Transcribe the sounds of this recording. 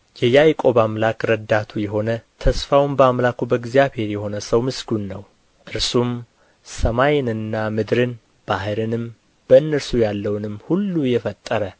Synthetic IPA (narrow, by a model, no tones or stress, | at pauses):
jɛjajkʼo̞βamlakɾəd̪at̪ʰujɛɦo̞nət̪ʰəsfawnbəamlakubəɡzijaβhe̞ɾjɛho̞nəsəwmɨsɡunːəw | ʔɨɾsum | səmajnɨnːamɨd̪ɾɨn | b̥ahɨɾɨnɨm | b̥əɨnːəɾsujalːəwnɨmhulːujɛfət̪ʼːəɾə